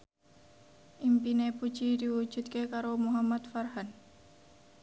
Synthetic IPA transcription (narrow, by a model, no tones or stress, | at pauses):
ʔimpinepu̥ʒidiwu̥d͡ʒ̥ut̪̚kekaɾomuɦamat̪farɦan